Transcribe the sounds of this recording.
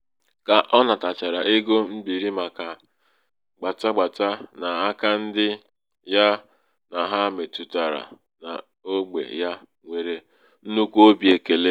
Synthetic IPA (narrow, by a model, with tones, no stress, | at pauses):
ka˨ʔɔ˦na˨ta˨t͡ʃa˨ɾa˨ʔe˦ɡo˦m̩˦bi˨ɾi˦ma˨ka˨ | ɡ͡ba˨ta˦ɡ͡ba˨ta˦na˨a˦ka˦n̩˦dɪ˦ | ja˦ | na˨ɦa˦me˨tu˨ta˨ɾa̰˨ | na̰˨ | o˦ɡ͡bḛ˨ja˦ | ŋʷe˨ɾe˦ | n̩˦nu˦kʷo˦bi˨e˨ke˨le˦